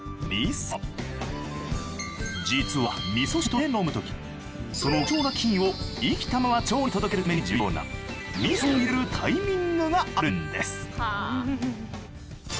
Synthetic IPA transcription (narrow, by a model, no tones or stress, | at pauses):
mʲis | d͡ʑit͡sɨβa̰mʲiso̞ɕi̥t̪o̞eno̞mɯ̟t̪o̞kʲi̥ | so̞noko̞ːnakʲʰĩɰ̃o̞ikʲi̥t̪amaβat͡ɕo̞ːit̪o̞d̪o̞ke̞ɾɯ̟ame̞ɲ̟id͡ʑiɯoːna̰mʲisooiɾeɾɯ̟t̪ʰaimʲĩŋɡɯ̟ɡaaɾɯ̟nd̪e̞sɨ̥